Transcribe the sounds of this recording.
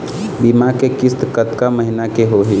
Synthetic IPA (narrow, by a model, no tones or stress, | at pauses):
bimakekɪst̪kət̪kaməɦinakeɦoɦi